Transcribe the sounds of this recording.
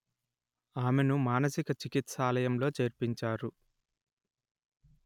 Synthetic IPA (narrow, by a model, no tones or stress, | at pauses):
aːmenumaːnɐsikɐt͡ʃikit̪saːlɐjɐmlo̞ːt͡ʃeːɾpiɲt͡ʃaːɾu